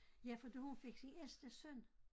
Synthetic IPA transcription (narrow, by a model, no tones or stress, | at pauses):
jæfɒd̥ehunfe̝ɡ̥sinelsd̥əsœn̰